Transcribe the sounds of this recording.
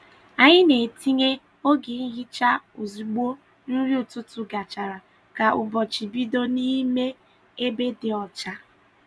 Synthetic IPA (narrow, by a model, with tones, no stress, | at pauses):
a˨ɲɪ˦ne˨ti˦ŋe˦ | o˦ɡi˨n̩˦ɦɪ˦t͡ʃa˦u˨zi˨ɡ͡bo˦ | n̩˦ɾi˦u˨tʊ˦tu˨ɡa˨t͡ʃa˨ɾa˨ | ka˨ʔʊ˨bɔ˨t͡ʃi˨bi˦do˦ni˦me˦ | e˦be˦dɪ˨ɔ˨t͡ʃa˦